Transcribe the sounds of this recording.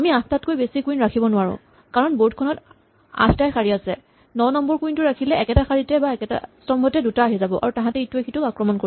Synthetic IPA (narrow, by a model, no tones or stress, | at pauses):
amiãttat̚kojbesikuinɹakʰibɔnʊwaɹʊ̰̃ | kaɹɔnbotkʰɔnɔt | ã̰tʰtajxʰaɹiasɛ | nɔnɔmbɔɹkuintʊɹakʰilɛɛkɛtaxaɹitɛbaɛkɛta̰sɔmbʱɔtɛdutaːɦizabɔʔa̰ɹutãɦãtɛituexʰitʊkakɹɔmɔnkoɹi